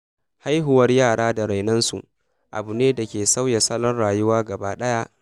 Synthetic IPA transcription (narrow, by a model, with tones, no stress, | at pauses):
ha˦jɦʊ˦wɐ˦rjaː˦˨ɽaː˦da˨ɾa˨jnɐ˦nsṵ˨ʔ | ʔa̰˨bu˨neː˦da˨kʲeː˨sa˦wja˨sɐ˦lɔ˦nɽaː˨jʊ˦waː˦ɡɐ˨baː˦ɗɐ˦ja˦ʔ